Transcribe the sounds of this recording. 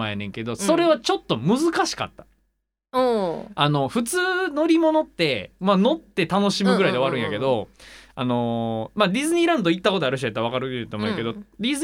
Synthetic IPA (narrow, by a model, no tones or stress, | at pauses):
aenẽ̞ŋke̞d̪o̞so̞ɾe̞βat͡ɕo̞t̪ːo̞mɯ̟zɨkaɕi̥ka̰t̪ːḁ | oano̞ɸɯ̟t͡sɨːno̞ɾʲimo̞no̞t̪ːe̞mano̞t̪ːe̞t̪ano̞ɕimɯ̟ɡɯɾaid̪eβaɾɯ̟̃jake̞d̪o̞a̰no̞maɾʲizɨɲ̟iːɾãnd̪o̞it̪ːako̞t̪oaɾɯ̟ɕ̬iaet̪ːaβ̞akaɾɯt̪ːomoke̞d̪o̞ɾʲiz